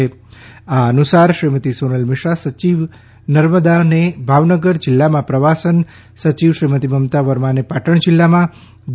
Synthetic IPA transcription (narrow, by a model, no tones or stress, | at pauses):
eaənusaɾʃɾimət̪isonəlmɪʃɾasət͡ʃiʋ | nəɾməd̪anebʱaʋnəɡəɾd͡ʒɪlːamãpɾəʋasən | sət͡ʃiʋʃɾimət̪iməmt̪aʋəɾmanepaʈəɳ̃d͡ʒɪlːamã | d͡ʒ